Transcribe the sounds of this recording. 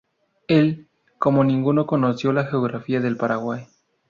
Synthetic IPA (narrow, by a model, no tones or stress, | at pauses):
e̞l | ko̞mo̞nĩŋɡuno̞ko̞no̞sjo̞laxeoɣɾafiaðe̞lpaɾaɣwaj